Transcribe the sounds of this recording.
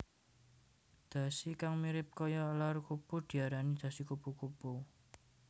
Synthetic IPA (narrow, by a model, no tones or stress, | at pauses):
d̪̥ä̤sikaŋmiɾɪp̚kɔjɔlarukupud̪̥i̤aɾanid̪̥ä̤sikupukupu